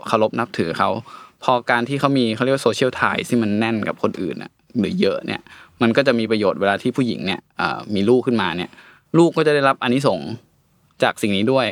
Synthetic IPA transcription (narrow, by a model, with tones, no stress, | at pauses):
kʰa˧wlo˦˥p̚na˦˥p̚t̪ʰɯː˩˦kʰa˦˥wpʰɔː˧kaː˧nt̪ʰiː˥˩kʰa˦˥wmiː˧a˥˩ɾ̚a˧oː˧t͡ɕʰi˥˩əwt̪ʰa̰ː˧jsʰiː˥˩ma˧nːɛ˥˩nka˨˩p̚kʰo˧nʔɯ̰ː˨˩nʔa̰˨˩ | lɯː˩˦jɤ˦˥ʔnḭ˥˩ɐma˧nkɔː˥˩t͡ɕa˨˩ʔmiː˧pɾa˧joː˨˩t̪̚weː˧laː˧iː˥˩pʰuː˥˩jḭ˩˦ŋni˥˩ɐʔə̰ː˨˩miː˧luː˥˩kʰːɯ˥˩nmaː˧ni˥˩ɐ | luː˥˩kːɔː˥˩t͡ɕa˨˩da˥˩la˦˥p̚ʔa˧nːi˦˥so˩˦ŋ | t͡ɕaː˨˩k̚si˨˩ŋniː˦˥du˥˩əj